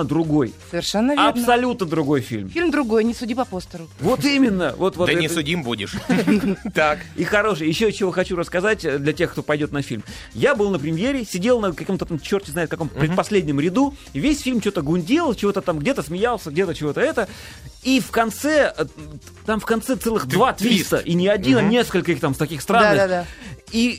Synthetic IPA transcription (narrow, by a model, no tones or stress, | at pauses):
əd̪ɾʊɡo̞jsəvʲɪrʂɛnːəvɐpsɐlʲut̪nəd̪ɾʊɡo̞jfʲḭlʲmfʲilʲmd̪ɾʊɡojnʲɪsʊdʲipɐpost̪əɾʊvo̞t̪imʲɪnːəvo̞t̪vot̪ɛnʲɪʊdʲimbudʲɪ̰ʂ | t̪akixɐɾo̞ʂɨjjɪɕːot͡ɕːɪvoxɐt͡ɕuɾəskɐzatʲəd̪lʲɐtʲe̞xkt̪o̞pɐjdʲo̞t̪nɐfʲḭlʲm | jabɨlˠnəpɾʲɪmʲjeɾʲɪsʲɪdʲe̞lˠnəkɐkomt̪ət̪amt͡ɕːo̞rtʲɪznaɪt̪kɐko̞mt̪əpɾʲɪt̪pɐsʲlʲedʲnʲɪəmɾʲɪd̪u | ivʲesʲfʲilʲmt͡ɕot̪əɡʊnʲdʲelˠt͡ɕɪvo̞t̪ət̪amɡdʲe̞t̪əsmʲɪjalˠsʲəɡ̚dʲet̪ət͡ɕɪvo̞t̪əɛt̪ə | ifkɐnt̪sɛə | t̪amfkɐnt̪sɛt̪sɛlˠɨxd̪vat̪vʲist̪əʔinʲɪɐd̪ʲinnʲe̞skəlʲkəixt̪amst̪ɐkʲixst̪ɾanːd̪ai